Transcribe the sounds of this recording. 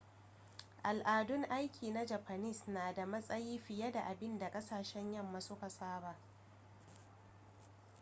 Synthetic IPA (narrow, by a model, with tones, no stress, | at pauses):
ʔa˨lʔaː˨dʊ˦ŋʔa˦jkʲʰiː˨na˦d͡ʒa˨ɸa˨nɪ˦˨snaː˨da˨mɐ˦sʼɐ˦jiː˦ɸɪ˨jɐ˦da˨ʔa˨bɪ˦nda˨kʼɐ˦saː˨ʃɛ˦ɲjɐ˦˨mːa˨sʊ˦ka˨saː˦ba˨ʔ